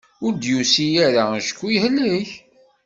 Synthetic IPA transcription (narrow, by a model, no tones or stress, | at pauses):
ʊɾd̪jusijæɾaʃə̥kːijhlːəç